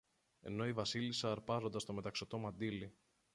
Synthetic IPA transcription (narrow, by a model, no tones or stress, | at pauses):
e̞̰no̞ivɐsilisɐːɾpɐɾo̞nd̪ɐst̪o̞me̞t̪ɐksot̪o̞mɐnd̪ili